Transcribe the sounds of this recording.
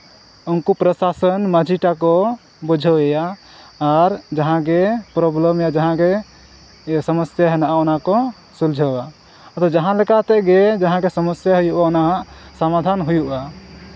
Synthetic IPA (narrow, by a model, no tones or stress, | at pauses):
onkupɾəsasənməd͡ʒʱiʈakɔ | bud͡ʒʱəejaː | ɾd͡ʒəɦãɡepɾoblemjad͡ʒəɦãɡe | səməsjaɦenaʔaonakɔ | suld͡ʒʱəa | t̪ɔd͡ʒəɦãlɛkat̪ɛɡed͡ʒəɦãɡesəməsjaɦojuʔaonaɦãʔsəmad̪ʱanɦujuʔa